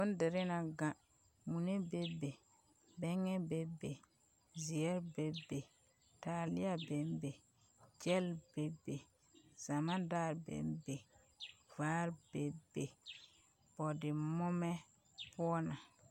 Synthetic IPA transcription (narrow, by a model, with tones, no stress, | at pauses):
bo˦n˦de˨ɾɪ˦na˨ɡã˦ | mu˨ne˦be˦be˨ | bɛ˦ŋɛ˦be˨be˨ | zi˨ɛ˦ɾbe˨be˨ | ta˨lɪ˦a˦be˨˦mbe˨ | d͡ʒɛ˦lbe˨be˨ | z̥a˨mã˦daː˦˨ɾbḛ˨˦mbe˨ | vaː˦ɾb̥e˨be˨ | b̥ɔ˨dɪ˨mɔ˦mɛ˦ | pʊ˦ɔ˦na˨